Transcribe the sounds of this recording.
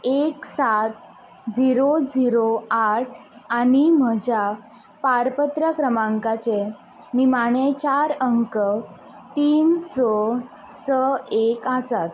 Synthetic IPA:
eksat̪̚ | d͡ziɾod͡ziɾoaʈʰaɽ̃im̤əd͡ʑʱja | paɾpət̪ɾəkɾəmãŋkat͡se | nimaɳ̃et͡ɕaɾəŋkə | t̪iːnsɔ | səekəsat̪

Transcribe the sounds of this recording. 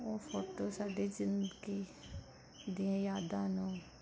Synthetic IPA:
oːfoːʈoːsaːɖeːd͡ʒɪnkiː | d̪ɪãːjaːd̪ãːnõː

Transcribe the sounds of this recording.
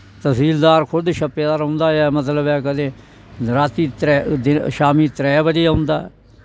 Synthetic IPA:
t̪əsiːld̪aːɾkʰʊd̪ʃəpːeːd̪aːɾʊ̃nd̪aːɛːmət̪ləbɛːkəd̪ẽː | ɾaːt̪iːt̪ɾɛːd̪ɪʃaːmiːt̪ɾɛːbəd͡ʒijaːɦʊ̃nd̪aːɛ̰ː

